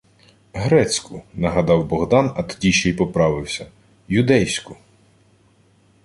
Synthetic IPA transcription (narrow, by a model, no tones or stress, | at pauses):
ɦɾɛt͡sʲkʊnɐɦɐd̪ɑwbɔɦd̪ɑnɐt̪ɔ̥dʲiʃɛjpɔpɾɑʋɪwsʲɐ | jʊd̪ɛjsʲkʊ